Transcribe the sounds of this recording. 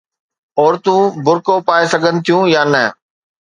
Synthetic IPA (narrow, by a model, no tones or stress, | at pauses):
ɔːɾt̪ũbʊɾkopaːesɐɡʱənɪ̆t̪ʰijũjaːnɐ